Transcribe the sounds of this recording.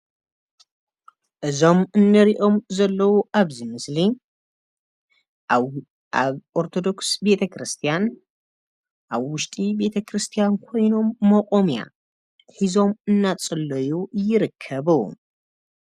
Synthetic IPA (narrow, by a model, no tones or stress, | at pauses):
ʔɨzo̞mɨnːɨɾiʔo̞mzɐlːɐwuʔaβzimɨsli | aβʔoɾt̪ʰo̞d̪o̞ksbe̞t̪ʰɐkɾɨst̪ʰijan | ʔaβwʊʃt̪ʼibe̞t̪ʰɐkʰɾɨst̪ʰijankʰo̞jno̞mːɐkʼo̞mja̰ | ħizo̞mɨnːat͡sʼɨlːɐjujɪɾɨkʰːɐβɨw̰